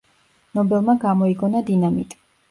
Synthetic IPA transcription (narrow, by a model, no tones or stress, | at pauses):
nɔbɛlˠmaɡamɔiɡɔnad̪inamit̪ʼ